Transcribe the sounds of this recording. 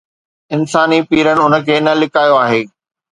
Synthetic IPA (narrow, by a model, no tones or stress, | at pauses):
ɪnsaːnipiːɾəɽ̃ɪ̆ʊnə̆kʰeːnɐlɪkaːjoaːɦeː